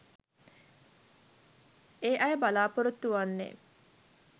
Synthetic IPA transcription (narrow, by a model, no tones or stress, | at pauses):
eːʔajəbalaːpoɾut̪ːuʋanːḛː